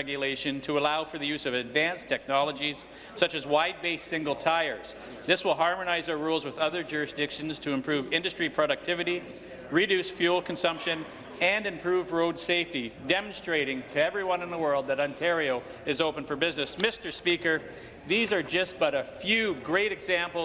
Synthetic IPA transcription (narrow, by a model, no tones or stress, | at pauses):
ɛɡjɨleɪʃɨ̃ntʰəəlaʊfə˞ðɨjʉzʌvɨdvæ̃nstʰɛk̚nɑlˠəd͡ʒiz̥ | sʌt͡ʃɨzwaɪd̚beɪsɪ̃ŋɡl̩ˠtʰaɪə˞z̥ | ðɪswəlˠɦɑɹmɨnaɪzaʊə˞ɹulˠzwəðʌðə˞d͡ʒʊɹɨsd̥ɪkʃɨ̃n̩z̥tʰɨɨ̃mpʰɹ̥ʉvɪ̃ndɨstɹ̥ipʰɹ̥ɑɾɨk̚tʰɪvɨɾi | ɹidʉsfjʉl̩ˠkʰn̩sʌ̃mpʃɨ̃n | ɨ̃nɨ̃mpʰɹ̥uvɹoʊdseɪftidɛm̃nstɹ̥eɪɾɪ̃ŋtʰɨɛvɹiwʌ̃nɨ̃nðəwɜ˞lˠd̪̚ðɨɾɑ̃ntʰɛɹioʊ | ɨzoʊpə̃nfə˞bɪznɨsmɪstə˞spikə˞ | ðizə˞d͡ʒʌs̚b̥ʌɾɨfjʉɡɹeɪɾɨɡzæ̃mpl̩ˠ